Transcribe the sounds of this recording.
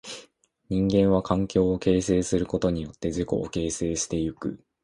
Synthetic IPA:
ɲĩŋɡẽ̞ɰ̃βakãŋkʲo̞ːke̞ːse̞ːsɨɾɯ̟ko̞t̪o̞ɲ̟ijo̞t̪ːe̞ziko̞̰ʔːke̞ːse̞ːɕi̥t̪e̞jɯ̟kɯ̟̰

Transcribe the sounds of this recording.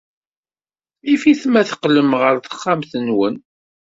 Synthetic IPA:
ifiθmæθə̥qləmʁəɾθə̥χːamθənwən

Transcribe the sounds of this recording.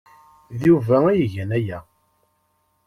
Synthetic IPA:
ðuvææjəʝænæjæ

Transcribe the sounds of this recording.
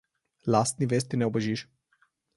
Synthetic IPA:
lasnives̬t̪inewbəʒiʃ

